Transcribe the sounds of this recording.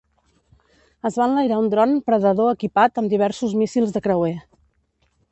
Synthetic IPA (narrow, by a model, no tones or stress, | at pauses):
əzβanləjɾaund̪ɾɔnpɾəðəðoəkipat̪əmd̪iβ̞ɛɾsuzmisilˠzðəkɾəwe